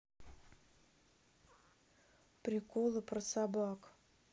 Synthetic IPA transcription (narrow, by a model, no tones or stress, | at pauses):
pɾʲɪkolˠəprəsabɑk